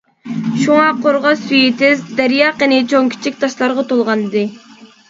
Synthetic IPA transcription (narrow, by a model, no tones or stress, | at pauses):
ʃuŋɑqʰoɾʁɑsyjet̪ʰɪzd̪æɾjɑqinɪt͡ʃʰoŋkʲʰi̥t͡ʃʰikʲt̪ʰɑʃlˠɑɾʁɑt̪olˠʁɑnɨd̪ɨ